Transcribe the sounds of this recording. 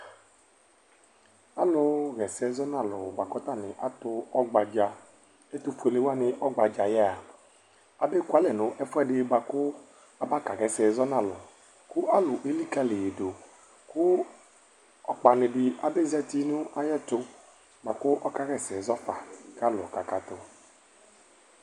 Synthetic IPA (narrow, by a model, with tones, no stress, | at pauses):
a˦lʊ˧ɣɛ˨sɛ˧˦zɔ˦na˦˨lʊ˨ba˨kɔ˦ta˦˨nɪ˨ʔa˦tʊ˧ɔ˦ɡ͡ba˧d͡ʒa˧ | e˦tu˧fu˨e˨le˦wa˦nɪ˧ʔɔ˦ɡ͡ba˨d͡ʒa˨jɛ˦a˨ | a˨be˦kwa˦lɛ˨nʊ̃˨˦ʔɛ˦fʊ˦ɛ˦˨dɪ˧ba˧kʊ˦ | a˨ba˦ka˨ɣɛ˨sɛ˨zɔ˦na˦˨lʊ̰˨ | kʊ˦ʔa˦lʊ˨ʔe˨˦li˦ka˦li˨je˨do˨ | kʊ˦ | ɔ˨k͡pa˨nɪ˧dɪ˧a˨be˦zɛ˧ti˦nʊ˦a˦jɛ˦tʊ˧ | ba˨kʊ˦ʔɔ˦ka˦ɣɛ˦˨sɛ˨zɔ˦fa˨ka˦lɔ˨ka˨ka˨tʊ˨